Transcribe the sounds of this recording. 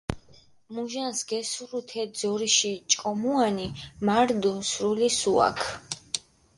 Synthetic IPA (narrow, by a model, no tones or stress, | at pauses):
muʒansɡɛsuɾut̪ʰɛd̪zɔɾiʃit͡ʃʼkʼɔmuanimaɾd̪unsɾulisua̰kʰ